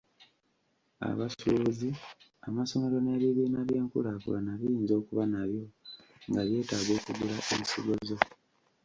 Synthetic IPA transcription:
a̰βasuzi | amaso̞me̞ɾo̞neβiβinaβjeːŋkulakṵlanaβijiːnzo̞ːkuβanaβjo̞ | ŋɡaβje̞ːtaːɡo̞ːkuɡuɾaʔemisiɡo̞zo

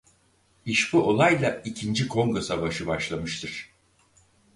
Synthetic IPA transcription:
iʃbuʔo̞lˠajlˠaicʰind͡ʒikʰo̞ŋɡosavaʃɯbaʃlˠamɯʃt̪ʰɯɾ̥

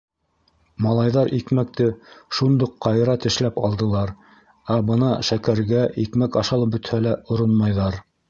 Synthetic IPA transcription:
mɑlˠɑjðɑɾikmæk̚t̪ɘʃund̪ɤqʰːɑjɾɑt̪ɘ̆ʃlæpɑ̰lˠd̪ɤ̆lˠɑɾ | æbɤnɑʃækæɾɡæʔikmækɑʃɑlˠɤp̚bɵ̆t̪hælæʔŏɾɤnmɑjðɑɾ

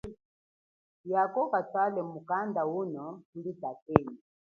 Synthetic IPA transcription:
jakɔkatalɛmukandaunɔkulitatɛni

